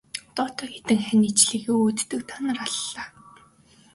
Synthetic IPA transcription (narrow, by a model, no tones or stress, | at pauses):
t̪ɔːt̪œːɡet̪ɘ̆ŋχæniːt͡ɕɮiːɣeːut̪ːɵ̆k̚t̪ʰanə̆raɮːaː